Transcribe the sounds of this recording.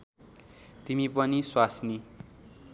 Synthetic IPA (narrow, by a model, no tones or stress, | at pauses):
t̪imipʌniswasni